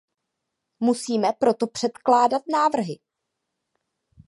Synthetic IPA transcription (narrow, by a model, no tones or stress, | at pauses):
musiːmɛpɾo̞t̪opr̥ɛt̪klaːdat̪naːvr̩ɦɪ